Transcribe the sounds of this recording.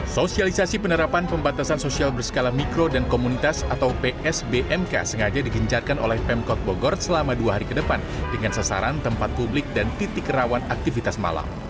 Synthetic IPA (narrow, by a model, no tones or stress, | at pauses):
sosialisasipənəɾapanpəmbat̪asansosialbərsə̥kalahmikɾodankomunit̪asat̪awpeʔɛsbeʔɛmka̰səŋad͡ʒadiɡəɲt͡ʃarkano̰lɛhpɛmkɔt̪̚boɡɔrsəlamaduaɦaɾikədəpandəŋansasa̰ɾant̪əmpat̪̚publɪk̚dant̪it̪ɪkrawanak̚t̪ifit̪asma̰la̰m